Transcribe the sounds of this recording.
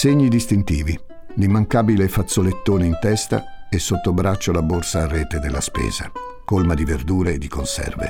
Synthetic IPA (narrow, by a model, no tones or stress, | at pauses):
seɲːid̪ist̪int̪iːvi | limːaŋkaːbilefat̪sːolet̪ːoːneint̪ɛst̪a̰ | esːot̪ːobɾat͡ʃːolaborsaːrːɛːt̪ed̪elːaspɛ̰ːz̥a̰ | kolmad̪iverd̪uːɾeːd̪ːikonsɛ̰rvḛ